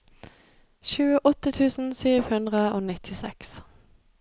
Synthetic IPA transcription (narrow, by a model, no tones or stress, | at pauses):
ʃʉːəʔɔt̪ət̪ʰʉːsn̩syːʋhʉnd̪ʁəoːnɪt̪ʰɪsɛks